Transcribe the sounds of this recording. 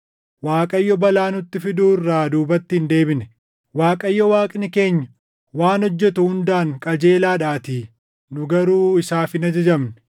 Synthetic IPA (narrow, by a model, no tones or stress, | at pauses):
waːkʼɐjːɔbɐlaːnʊt̪ːɪfɪd̪uːɪrːaːd̪uːbɐt̪ːɪhnd̪e̞ːbɪnɛ | waːkʼɐjːɔwaːkʼɪnɪke̞ːɲːɐ | waːnɔd͡ʒːɛt̪ʊhʊnd̪aːŋkʼɐd͡ʒe̞ːlaːᶑaːt̪iː | nʊɡɐɾuːɪsaːfɪnɐd͡ʒɐd͡ʒɐmn